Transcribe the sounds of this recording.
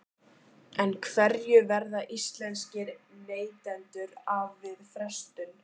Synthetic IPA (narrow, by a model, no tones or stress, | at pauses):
ɛnkʰvɛɾjʏvɛɾðaʔist̪lɛnscɪɾneːjt̪ɛnt̪ʏɾavːɪðfɾɛst̪ʏn